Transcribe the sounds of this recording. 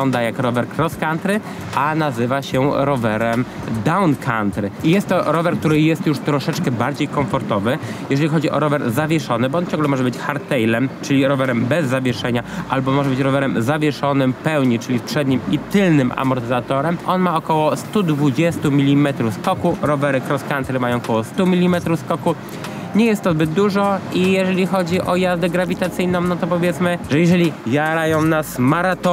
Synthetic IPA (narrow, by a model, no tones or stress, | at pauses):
ɔnd̪ajakɾɔvɛɾkɾɔskant̪ɾɘ | anazɘvaɕɛɾɔvɛɾɛm | d̪awnkʰant̪ɾɘijɛst̪ːɔɾɔvɛɾk̚t̪uɾɘjɛst̪juʂt̪ɾɔʂɛt͡ʂkɛbaɾd͡ʑejkɔɱfɔɾt̪ɔvɘjɛʐɛlʲixɔd͡ʑiʔɔ̰ɾɔvɛɾzavʲjɛʂɔnɘbɔɔnt͡ɕɔ̃ŋɡlɛmɔʐɛbɘt͡ɕxaɾt̪ɛjlɛmt͡ʂɘlʲiɾɔvɛɾɛmbɛzːavʲjɛʂɛɲaʔalbɔmɔʐɛbɘt͡ɕɾɔvɛɾɛmzavʲjɛʂɔnɘmpɛwɲit͡ʂɘlʲifpʂɛd̪ɲimit̪ɘlnɘmʔa̰mɔɾt̪ɘzat̪ɔɾɛmʔɔnmaɔkɔwɔst̪ud̪vud͡ʑɛst̪umʲilʲimɛt̪ɾufskɔkuɾɔvɛɾɘkɾɔskant̪ɾɘmajɔ̃w̃kɔwɔst̪umʲilʲimɛt̪ɾufskɔku | ɲɛjɛst̪ːɔzbɘd̪d̪uʐɔijɛʐɛlʲixɔd͡ʑiʔɔjazd̪ɛɡɾavʲit̪at̪sɘjnɔ̃w̃nɔt̪ɔpɔvʲjɛt̪smɘʐɛjɛʐɛlʲijaɾajɔ̃w̃nasmaɾat̪ɔ